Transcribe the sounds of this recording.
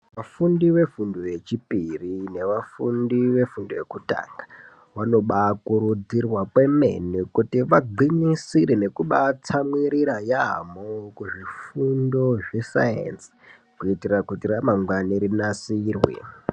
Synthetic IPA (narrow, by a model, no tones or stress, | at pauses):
ʋafundiʋe̞funduje̞t͡ʃipirine̞ʋafundiʋe̞fundoje̞kuta̰ːŋɡḁ | ʋano̞ɓakuɾud͡zirwapwe̞me̞̰nikutiʋaɡ͡ǃinisiɾene̞kuɓat͡samwiɾiɾajamokuʐifundo̞ʐe̞sa̰jḛnsi̥ | kuitirakutiramaŋɡwaneɾinasiːrwḛ